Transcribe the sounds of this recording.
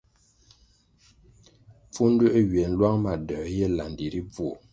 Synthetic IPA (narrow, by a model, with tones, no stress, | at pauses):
p͡fu˦n˦dʉ˦ʔɥɥe˨n̩˦lwa˦ŋma˨də˨˦jɛ˦la˨n˨di˨ɾi˦b͡vwo˨